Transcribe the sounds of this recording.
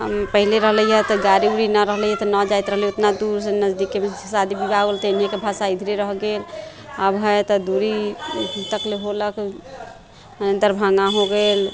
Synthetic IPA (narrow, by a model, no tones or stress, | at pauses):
pəɦileɾəɦləjɛt̪ɔɡaɾiuɾinəɾəɦləjɛt̪ɔnəd͡ʒajt̪ɾəɦlijot̪nad̪uɾsnəd͡ʒd̪ikːemesad̪ʱibibaolt̪ənijekebʱasaid̪ʱiɾeɾəɦɡel | abɦəjt̪ɔd̪uɾiɦit̪əkleɦolək | ənənd̪əɾbʱãŋaɦoɡel